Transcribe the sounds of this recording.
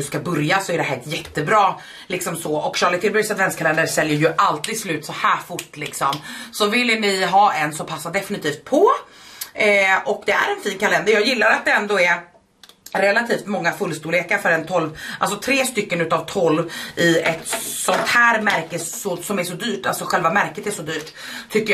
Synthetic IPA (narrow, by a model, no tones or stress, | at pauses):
ɵskabɵɾjasɔɛɖɛɦæːt̪jɛt̪ːəbɾɑː | lɪksɔmsɔʔɔkɕɑːlɪt̪ʰɪlbœɾsad̪vɛnskʰalɛnd̪əsɛljəɾjɵʔalt̪iːd̪slʉ̟ːt̪sɔhæːɾfʊʈːlɪksɔmsɔvɪlːnɪɦɑːɛnːsɔmpʰasːad̪ɛfɪnɪt̪ʰiːft̪̚pʰɔ | ʔɔk̚d̪ɛæ̰ɾɛnfiːnkʰalɛnd̪əɾjɑːɡjɪlːaɾat̪̚d̪ɛɛnd̪oːɛɾ | ɾɛlːat̪ʰiːft̪mɔŋːafɵlːst̪uːleːkaɾfœɾɛnt̪ʰɔlva̰ls̬ɔt̪ʰɾeːst̪ʏkːənʉ̟ːt̪avt̪ʰɔlvʔɪɛt̪sɔnt̪hæːɾmæɾkəɔsɔmæʂɔd̪yːʈa̰lsɔɧɛlvamæɾkət̪æʂɔd̪yːʈ̪ʰː | ʏkːə